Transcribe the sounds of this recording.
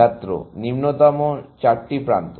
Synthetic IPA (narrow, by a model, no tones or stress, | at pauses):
at̪ːɾo̰nimnot̪amot͡ɕaʈʈipɾant̪o